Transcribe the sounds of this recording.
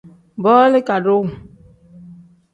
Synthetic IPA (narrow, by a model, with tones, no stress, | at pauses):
bɔː˦le˦ka˨do˦˨